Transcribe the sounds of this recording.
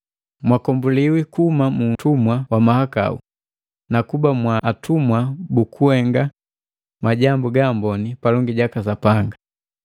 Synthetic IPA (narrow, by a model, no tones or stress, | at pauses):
mwakɔmbuliwikumamutumwawamahaka̰ṵ | nakubamwaʔːtumwabukuɛŋɡa | maɟambuɡambɔnipalɔŋɡiɟakasapaŋɡa